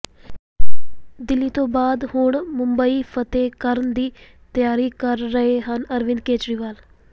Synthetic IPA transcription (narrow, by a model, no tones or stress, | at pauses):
d̪ɪlːiːt̪õːbaːd̪hʊɳmʊmbəiːpʰət̪eːkəɾənd̪iːt̪ɪjaːɾiːkəɾːəɦeːɦənəɾʋɪndkeːt͡ʃɾiːʋaːl